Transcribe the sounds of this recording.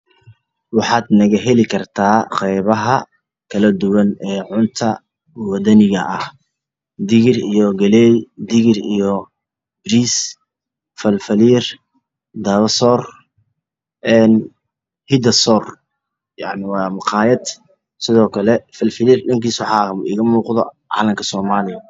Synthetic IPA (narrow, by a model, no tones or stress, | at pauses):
wɑħɑːd̪nɐɣɐɦɛlɪkʰɐrt̪ʰaːqɛjβɐɦɐ | kʰɐlɐd̪ʊwɐnɛːʕʊnt̪ʰɐ | wɐd̪ɐnɪɣɐʔɐh | d̪ɪɣɪrijɔɡɐlɛjd̪ɪɣɪrḭjɔ | bɾiːs | fɐlfɐliːr | d̪ɐβɐsɔːr | ʔɛːn | hɪd̪ɐsɔr | jɑ̰ʕnɪwɑːmʊqɑːjɐd̪ | sɪðɔːkʰɐlɛfɐlfɪliːrɖɪŋkiːswħɑːɪ̰ɣɐmuːqðɔ̰ʕɑ̰ːlɐmkʰɐsɔːmaːlɪjɐ